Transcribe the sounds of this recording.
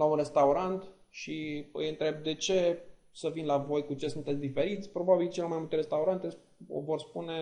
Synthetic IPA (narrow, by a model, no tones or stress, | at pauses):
launɾe̞st̪auɾant̪ | ʃiɨ̰jɨnt̪ɾe̞b̚d̪e̞t͡ʃe̞ | səvinlavo̞jkut͡ʃe̞sunt̪et̪sd̪ife̞ɾit̪sʲpɾo̞babilt͡ʃele̞majmult̪e̞ɾe̞st̪auɾant̪e̞̰ | vo̞rspune̞